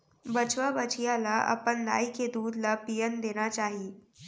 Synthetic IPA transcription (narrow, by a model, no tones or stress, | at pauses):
bət͡ʃʋabət͡ʃijalaʔɐ̰pənd̪a̰ːiked̪uːd̪lapijənd̪eːñat͡ʃaːɦi